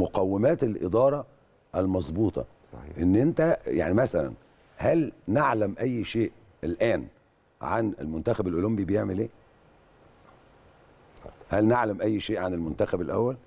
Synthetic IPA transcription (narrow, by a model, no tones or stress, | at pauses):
moqæwːemæːt̪elʔḛd̪ɑːɾˤɑ | ʔælmɑzˤbuːt̪ˤɑ̰ | ʔenːʔent̪æja̰ʕnimæsælæ̰n | hælneʕlæmʔæjːʃeːʔ | elʔæːn | ʕa̰nḛlmʊnt̪æxæbelʔolombibejeʕmelʔeː | hælneʕlæmʔæjːʃeːʔʕanelmʊnt̪æxæbelʔæ̰wːæl